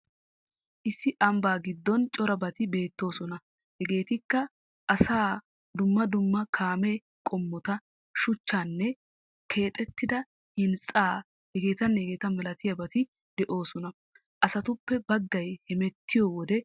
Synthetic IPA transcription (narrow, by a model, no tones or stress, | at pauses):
ʔɪsːɪʔɐmbaːɡɪd̪ːɔnt͡ʃʼɔɾɐbɐt̪ɪbe̞ːt̪ːo̞ːsɔnɐ | hɛɡe̞ːt̪ɪkːɐ | ʔɐsaː | d̪ʊmːɐd̪ʊmːɐkʰaːme | kʼɔmːɔt̪ɐ | ʃʊt͡ʃːaːnːɛ | kʰe̞ːt̪ʼɛt̪ːɪd̪ɐ | hɪnt͡sʼːaː | hɛɡe̞ːt̪ɐnːhɛɡe̞ːt̪ɐmɐlɐt̪ɪjɐbɐt̪ɪ | d̪̥ɛʔo̞ːsɔnɐ | ʔɐsɐt̪ʊpːɛbɐɡːɐjhɛmɛt̪ʰːɪjɔwɔd̪ɛ